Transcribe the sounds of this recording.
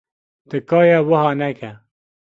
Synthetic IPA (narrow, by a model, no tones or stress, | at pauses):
d̪̥ɨkɑːjɛwəɦɑːnɛkʰɛ